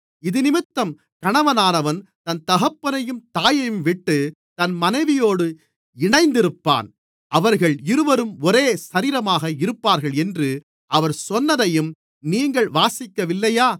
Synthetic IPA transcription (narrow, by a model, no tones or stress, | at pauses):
ɪðɯnɪmɪt̪ːɐm | kɐɳɐʋɐnaːnɐʋɐnt̪ɐnt̪ɐɣɐpːɐnɐjɯmt̪aːjɐjɯmʋɪʈːɯ | t̪ɐnmɐnɐɪʋɪjoːɽɯ | ɪɳɐɪnd̪ɪɾɯpːa̰ːn | ʔɐʋɐɾɣɐɭɪɾɯʋɐɾɯmɔɾeːsɐɾiːɾɐmaːɣɐɪɾɯpːaːɾɣɐɭɛndrɯ | ɐʋɐɾsɔnːɐðɐjɯm | niːŋɡɐɭʋaːsɪkːɐʋɪlːɐjaː